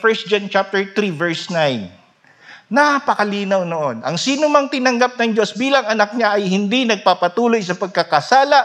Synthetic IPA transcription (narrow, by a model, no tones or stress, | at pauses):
fɛɹs̚d͡ʒant͡ʃap̚t̪ɛɹt̪ɾivɛɹsnajnː | apɐkɐliːnɐwnoʔo̞nʔɐŋsiːnomɐŋt̪ɪnɐŋɡap̚nɐŋd͡ʒo̞sbiːlɐŋɐnɐk̚ɲaʔɐjhɪnd̪inɐɡ̚papɐt̪uːlo̞js̬ɐpɐɡ̚kɐkɐsaːlɐ